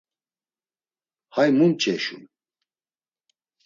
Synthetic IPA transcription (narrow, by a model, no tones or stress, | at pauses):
hajmumt͡ʃʰʼɛʃṵn